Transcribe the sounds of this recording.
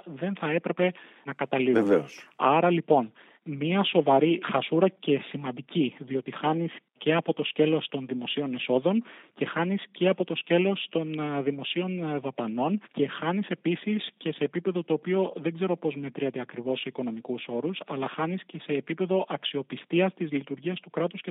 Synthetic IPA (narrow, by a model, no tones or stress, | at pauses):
ðe̞nθɐe̞pɾe̞pe̞ | nɐkɐt̪ɐliveoɐɾɐlipo̞n | miɐso̞vɐɾixɐsuɾɐce̞simɐnd̪iciðio̞t̪ixɐnis | ce̞ɐpot̪o̞sce̞lo̞st̪o̞nðimo̞sio̞ne̞so̞ðo̞nce̞xɐnisce̞ɐpo̞t̪o̞sce̞lo̞st̪o̞nðimo̞sio̞nðɐpɐno̞nce̞xɐnise̞pisisce̞se̞ːpipe̞ðo̞t̪o̞ːpio̞ðe̞ɡze̞ɾo̞po̞zme̞t̪ɾiɐt̪eɐkɾivo̞seiko̞no̞mikuso̞ɾusɐlɐxɐnisce̞se̞ːpipe̞ðo̞ʔɐksio̞pist̪iɐst̪izlit̪uɾʝiɐst̪ukɾɐt̪usce